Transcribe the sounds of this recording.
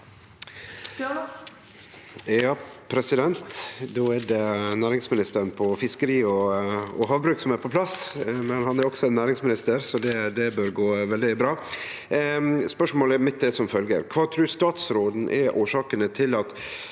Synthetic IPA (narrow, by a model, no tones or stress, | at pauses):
ɑːpʰɾɛsɪd̪ɛnt̪d̪oːæɖɛnæːɾɪŋsmɪnɪst̪əɾnpʰɔfɪskəɾiːɔɔɦɑːʋbɾʉːksɔmæɾpʰɔpʰlɑsmɛnhɑnæɾɔksɔɛnːæːɾɪŋsmɪnɪst̪əɾsɔd̪ɛd̪ɛbøɾɡoːʋɛld̪ɪbɾɑː | spœʂmoːləæɾmɪt̪̚ːd̪ɛsɔmfœlɡə̰ɾkʰʋɑːt̪ʰɾʉːɾst̪ɑːt̪sɾoːd̪n̩ʔɛ̰ʔoːʂɑːkənət̪ʰɪlɑt̪